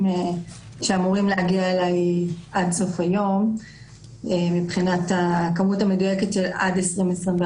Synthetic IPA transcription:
e | ʃe̞amuʁimleaɡiaelajʔadso̞fajo̞m | emipχinatakamutame̞dujeke̞tʃe̞la̰desʁimesʁib

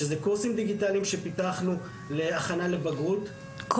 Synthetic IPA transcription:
ezekuʁsimd̪iɡitaliimʃe̞pit̪aχnu | leaχanale̞baɡʁut̪ | k

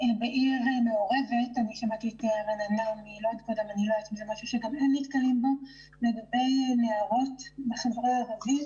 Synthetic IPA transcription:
beʔilɦameoʁe̞vetaniʃamatiɛteʁananamilodkodemaniloat̪mizemaʃuʃeɡamenmitkalimbo̞ | le̞ɡabe̞jneaʁo̞tbeχavʁeʁavi

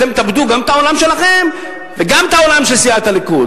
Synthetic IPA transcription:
temt̪abd̪uɡamt̪ao̞lamʃelaχe̞m | veɡamt̪ao̞lamʃesiat̪alikud

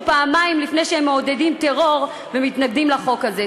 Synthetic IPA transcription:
paːmaimlifnejʃeemːeode̞dimte̞ʁo̞ʁ | vemitnaɡdimlaχo̞kaze

